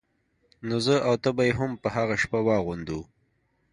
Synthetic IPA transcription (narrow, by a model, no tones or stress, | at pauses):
nozəawt̪əbajeɦʊmpəhaɣaʃpawɑɣund̪u